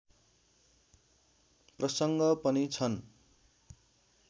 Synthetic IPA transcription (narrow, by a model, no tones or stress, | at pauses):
prʌsʌŋɡʌpʌnit͡sʰʌn